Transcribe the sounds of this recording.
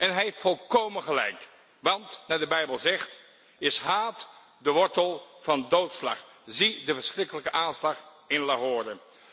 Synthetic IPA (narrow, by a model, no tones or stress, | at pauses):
ɛnɦɛjɦɪftfɔlˠkowmənχəlɛ̰jk | ʋɑntnaːdəbɛjbəlˠzɛχt | ɪsɦaːt | dəʋɔɹtəlˠv̥ɑndowtslɑ̰χ | zidəvəɹsχrɪkələkəʔaːnslɑχ | ɪnlaɦoːɹdə